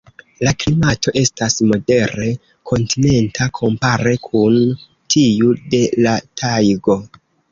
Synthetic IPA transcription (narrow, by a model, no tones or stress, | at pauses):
laklimato̞ʔe̞stasmo̞de̞ɾe̞ | kʰo̞ntine̞ntʰakʰo̞mpaɾe̞kʰun | tʰiude̞latʰajɡo̞